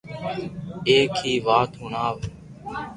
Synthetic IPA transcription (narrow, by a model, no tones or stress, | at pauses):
eːkɦiːʋaːt̪ɦʊnaːʋ